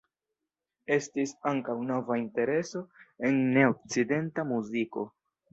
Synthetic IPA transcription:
e̞stisaŋkawno̞vainte̞ɾe̞so̞e̞nːe̞ok̚t͡side̞ntamuziko̞

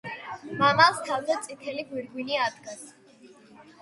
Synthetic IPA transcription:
mamalˠst̪ʰavid̪at̪t̪sʼit̪ʰɛliɡwiɾɡwiniad̪ɡas

